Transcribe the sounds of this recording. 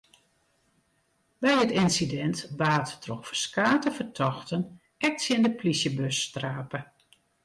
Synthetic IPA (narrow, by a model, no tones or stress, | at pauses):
bɛjətɪnsidɛntbaːttʰrɔxfəskaːtəfərtʰɔxtən | ɛk̚sjɪndəplisjəbøsːtraːpə